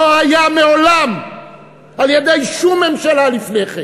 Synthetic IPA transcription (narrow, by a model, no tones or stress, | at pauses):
oajameolam | aljed̪ejʃumːe̞mʃalalifneχe